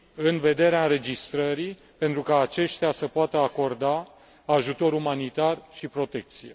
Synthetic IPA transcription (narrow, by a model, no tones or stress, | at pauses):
ɨnve̞d̪e̞ɾeaɨnɾe̞d͡ʒist̪ɾəɾi | pe̞nt̪ɾukaːt͡ʃe̞ʃt̪easəpoat̪əako̞rd̪aː | ʒut̪o̞ɾumanit̪arʃipɾo̞t̪e̞k̚t̪sije